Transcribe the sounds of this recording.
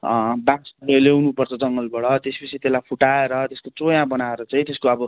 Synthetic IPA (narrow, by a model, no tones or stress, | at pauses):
baksʌnelewnupʌrt͡sʰʌd͡zʌŋɡʌlbʌɽʌt̪espʌt͡sʰit̪elajpʰuʈaeɾʌt̪eskot͡sojãbʌnaeɾʌt͡sʌĩt̪eskoʌbʌ